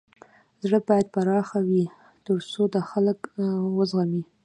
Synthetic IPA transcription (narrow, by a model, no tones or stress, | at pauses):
zɽəbɑjad̪̚paɾɑxawi | t̪əɾsod̪əxaləkwəzɣami